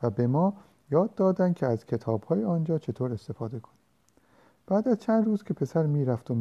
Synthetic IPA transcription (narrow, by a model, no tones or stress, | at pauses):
væbe̞mɒː | jɒːd̪ːɒːd̪ænd̪̥̚cʰeæzcʰe̞t̪ʰɒːbhɒːjeɒːnd͡ʒɒːt͡ʃʰe̞t̪ʰoːɾe̞st̪e̞fɒːd̪e̞kʰoni | b̥æːd̪æzt͡ʃʰænd̪ruːzkʰe̞pʰe̞sæɾmiːɾæft̪om